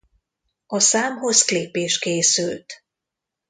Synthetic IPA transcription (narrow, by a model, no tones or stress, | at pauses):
ɒsaːmɦo̞zkleːpeːʃkeːsylt̪